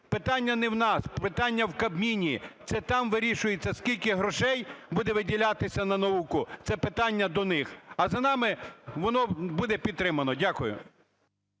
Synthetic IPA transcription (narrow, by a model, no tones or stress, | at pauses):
pɪt̪ɑnʲːɐnɛwnɑspɪt̪ɑnʲːɐwkɐbmʲinʲit̪sɛt̪ɑmʋɪɾʲiʃʊjet͡sʲːɐskʲilʲkɪɦɾɔʃɛjbud̪ɛʋɪdʲilʲat̪ɪsʲɐnɐnɐukʊt̪sɛpɪt̪ɑnʲːɐd̪ɔnɪxɐzɐnɑmɪʋɔnɔbud̪ɛpʲid̪̚t̪ɾɪmɐnɔdʲakʊjʊ̰